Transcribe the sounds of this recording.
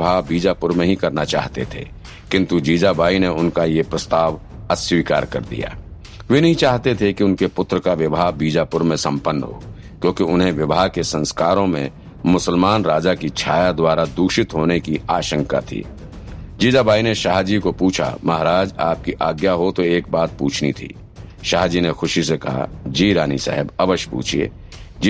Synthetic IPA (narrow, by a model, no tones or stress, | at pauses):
bʱaːɦbiːd͡ʒapʊɾmẽɦĩkɐɾnat͡ʃa̰ːɦt̪ḛt̪ʰḛ | kɪ̃nt̪ud͡ʒiːd͡ʒabaːineʊnkajepɾɐst̪aːʋ | əsʋiːka̰ːɾkɐ̰ɾd̪ḭja̰ː | ʋenɐɦĩt͡ʃaːɦt̪et̪ʰekiʊnkepʊt̪ɾəkaʋɪbʱaːɦbiːd͡ʒapʊɾmẽsɐ̰̃mpənːɦo̰ː | kjõːkiʊnɦẽʋɪbʱaːɦkesɐ̃nskaːɾõmḛ̃ | mʊsəlmaːnɾaːd͡ʒakit͡ʃʰaːjad̪waːɾad̪uːʃɪt̪ɦoːnekiaːʃə̃ŋka̰t̪ʰḭː | d͡ʒiːd͡ʒ̪abaːineʃaːɦd͡ʒikopuːt͡ʃʰa̰mɐɦɾaːd͡ʒa̰ːp̚kiʔaːɡjaɦot̪oeːk̚baːt̪̚pṵːt͡ʃʰnḭt̪ʰḭː | ʃaːɦd͡ʒinexʊʃisekɐ̰ɦa̰d͡ʒiːɾaːnḭsɛ̰ɦɪbɐʋəʃpṵːt͡ʃʰiḛː | d͡ʒ